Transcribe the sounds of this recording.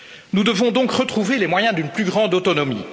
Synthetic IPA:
nud̪əvɔ̃d̪ɔ̃kʁət̪χuvelemwajɛ̃d̪ynplyɡʁɑ̃d̪ot̪ɔnɔmḭː

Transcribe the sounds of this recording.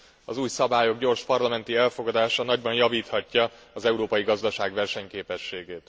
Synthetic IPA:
ɒzuːjsɒbaːjo̞ɡɟo̞rʃpɒrlɒmɛnt̪iɛlfo̞ɡɒd̪aːʃɒnɒɟbɒnjɒviːt̪hɒcːɒː | zɛuɾoːpɒjiɡɒzd̪ɒʃaːɡvɛrʃɛɲkeːpɛʃːeːɡeːt̪

